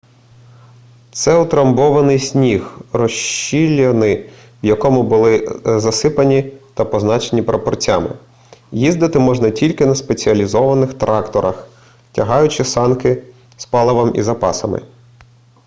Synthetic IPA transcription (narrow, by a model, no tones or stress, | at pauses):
t̪sɛʊt̪ɾɐmbɔʋɐnɪjsʲnʲixrɔʃilʲːɐnɪ | wjɐkɔmʊbʊlˠɪzɐsɪpɐnʲit̪ɐpɔznɑt͡ʃenʲipɾɐpɔrt͡sʲa̰mɪ̰ | jizd̪ɪt̪ɪmɔʒnɐtʲilʲkɪnɐspe̞t͡sʲiɐlʲizɔʋɐnɪxt̪ɾʔɑkt̪ɔɾɐx | tʲɐɦɑjʊt͡ʃɪsɑnkɪ | spɑlˠɐʋɐmḭzɐpɑsɐmɪ̰